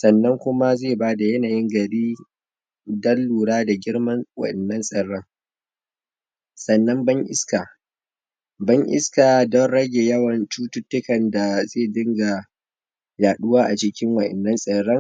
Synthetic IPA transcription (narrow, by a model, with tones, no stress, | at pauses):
sɐ˨nːɐ˦ŋkʷʊ˦ma˦zeː˦˨baː˦da˨jɐ˦naː˨jɪ˦ŋɡɐ˨ɾiː˦ | dɐ˦lːuː˨ɽaː˦da˨ɡʲɪ˦ɽmɐ˦nwɐ̰˨ʔɛ˨nːɐ˦nsʼɐ˨ɽːɐ˦ŋ | sɐ˨nːɐ˦mbɐ˦ŋʔɪ̰˦ska˨ | bɐ˦ŋʔɪ̰˦skaː˨dɔ˦nɽɐ˦ɡʲeː˨jɐ˦wɐ˨nt͡ʃuː˦tʊ˦tːʊ˦kɐ˨nda˨zeː˦˨dɪ˦ŋɡa˨ | jaː˨ɗʊ˦waː˦ʔa˨t͡ʃɪ˦kʲɪ˦ŋwɐ˨ʔɛ̰˨nːɐ˦nsʼɐ˨ɽɐ˦ŋ